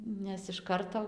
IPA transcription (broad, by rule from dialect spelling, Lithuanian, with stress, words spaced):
ˈnʲɛs ɪʃ ˈkɐrtoː